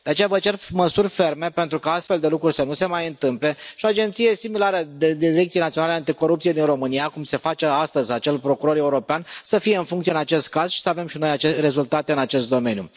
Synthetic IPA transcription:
d̪̥eat͡ʃejavət͡ʃe̞rməsurʲfe̞rme̞pe̞nt̪ɾukaast̪fe̞ld̪e̞lukɾurʲsənuse̞majɨnt̪ɨmple̞ʃioad͡ʒe̞nt̪sije̞similaɾəd̪ed̪iiɾe̞k̚t̪sienat̪ionaleant̪iko̞ɾupt̪sijed̪inro̞mɨnijakumse̞fat͡ʃe̞ast̪əzʲat͡ʃe̞lpɾo̞kuɾo̞ɾe̞uɾo̞peansəfijeɨnfuŋkt̪sieɨnat͡ʃe̞st̪̚kaz̥ʃi̥səave̞mʃino̞jat͡ʃere̞zult̪at̪e̞ɨnat͡ʃe̞st̪̚d̪o̞me̞njṵ

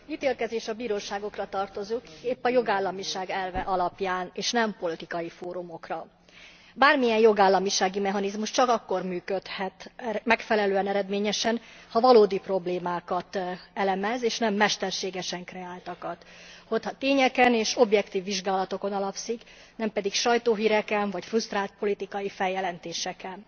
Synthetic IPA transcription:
iːt̪eːlkɛzeːʃɒbiːɾoːʃaːɡokrɒt̪ɒrt̪o̞zukeːpːɒjo̞ɡaːlːɒmiʃaːɡɛlvɛʔɒlɒpjaːneːʃnɛmpo̞lit̪ikɒjifoːɾumo̞krɒ | baːrmijɛnjo̞ɡaːlːɒmiʃaːɡimɛɦɒnizmuʃt͡ʃɒkɒkːo̞rmyːkøt̪hɛt̪mɛkfɛlɛløːɛnɛɾɛd̪meːɲɛʃɛnhɒvɒloːd̪ipro̞bleːmaːkɒt̪ɛlɛmɛzeːʃnɛmːɛʃt̪ɛrʃeːɡɛʃɛŋkrɛaːlt̪ɒkɒt̪ | hot̪hɒt̪eːɲɛkɛneːʃo̞bjɛkt̪iːvːiʒɡaːlɒt̪o̞ko̞nɒlɒpsik | nɛmpɛd̪ikʃɒjt̪oːɦiːɾɛkɛnvɒcfrust̪raːlt̪̚po̞lit̪ikɒjifɛjɛlɛnt̪eːʃɛkɛn

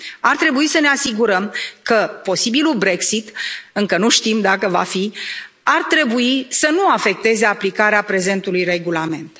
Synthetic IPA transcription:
art̪ɾe̞buisəne̞asiɡuɾəmkəpo̞sibilulbɾe̞ksit̪ɨŋkənuʃt̪imd̪akəva̰fi | art̪ɾe̞buisənuafe̞k̚t̪e̞ze̞aplikaɾeapɾe̞ze̞nt̪ulujre̞ɡulame̞nt̪

